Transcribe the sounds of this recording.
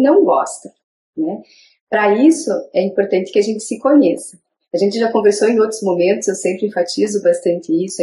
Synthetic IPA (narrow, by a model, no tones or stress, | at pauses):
nɐ̃w̃ɡɔ̰st̪ɐ | nɛ | pɾɐisʊɛĩpoɾt̪ɐ̃nt̪ɪ̥kɪaʒẽnt̪ɪ̥sɪkoɲesɐ | aʒẽnt̪ɪʒakõveɾsowẽj̃owt̪ɾʊzmomẽnt̪ʊzewsẽmpɾɪẽfat͡ʃizʊbast̪ɐ̃nt̪ɪisʊ